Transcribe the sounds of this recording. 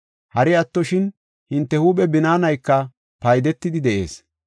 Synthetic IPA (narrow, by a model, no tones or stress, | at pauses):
hɐɾɪɐt̪ːɔʃɪn | hɪnt̪ːɛhuːpɛbɪnaːnɐjkːɐ | pɐjd̪ɛt̪ːɪd̪ɪd̪ɛʔe̞̰ːs